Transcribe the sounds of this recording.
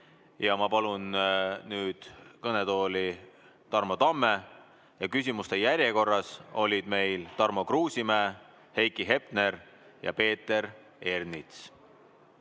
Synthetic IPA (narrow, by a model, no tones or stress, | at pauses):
jɑmɑpɑlunnyːd̪̥kɤne̞t̪o̞ːli | t̪ɑrmo̞t̪ɑmːe̞ | jɑkys̬ʲimust̪e̞jæɾʲje̞ko̞rːɑso̞lʲid̪̥me̞jlt̪ɑrmo̞kruːsimæː | he̞jkˑiɦe̞pne̞ɾ | jɑ̰pe̞ːt̪ːˑe̞ɾ | e̞rnit̪s